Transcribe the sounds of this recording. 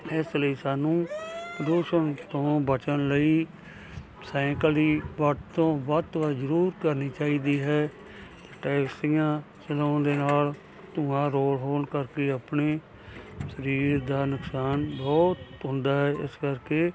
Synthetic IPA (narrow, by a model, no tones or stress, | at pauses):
ɪsləiːsaːnũːpɾəd̪uːʃənt̪õːbət͡ʃənləiː | sɛ̃ːkəliːbəʈt̪õːbɔːt̪ʋəzəɾuːɾkəɾniːt͡ʃaːiːd̪iːɦɛː | t̪ʈɛːksijãː | t͡ʃəlãːd̪eːnaːl | t̪ʊãːɾoːlɦoːɳkəɾkeːəpneː | səɾiːɾd̪aːnʊksaːnbɔːt̪ɦʊ̃nd̪aːɦɛːɪ̰skəɾkeː